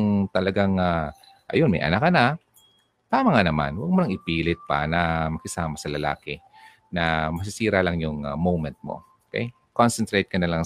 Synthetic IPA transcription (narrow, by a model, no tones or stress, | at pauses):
ŋt̪ɐlɐɡaŋa | ʔɐ̰jonmɐjʔɐ̰nakːɐnɐ | t̪aːmɐŋanɐma̰nwɐɡ̚mʊnɐŋʔɪpiːlɪt̪̚pɐ̰nɐmɐkɪsaːmɐsɐlɐla̰ːkɪ | nɐmɐs̬ɪsiːɾɐlɐŋjʊŋamowmɛnt̪̚mo̰okɛ̰j | konsɛnt̪ɾejt̪̚kɐnɐlaŋ